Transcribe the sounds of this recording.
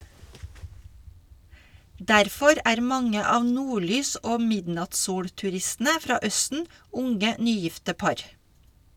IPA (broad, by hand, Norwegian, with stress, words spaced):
ˈdæɾfɔɾ ˈʔæːɾ ˈmɑŋə ˈɑːʋ ˈnuːˌɭyːs ˈʔoː ˈmɪdnɑtsˌsuːɽtʉˌɾɪstn̩ə ˈfɾɑː ˈœstn̩ ˈʊŋə ˈnyːˌjɪftə ˈpɑɾ